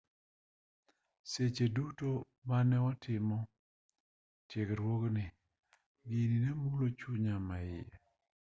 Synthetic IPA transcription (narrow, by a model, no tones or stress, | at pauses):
set͡ʃeduto | manɛwatʰɪmɔ | tjekɾwoknɪ | ɡininɛmulot͡ʃuɲamaɪjḛ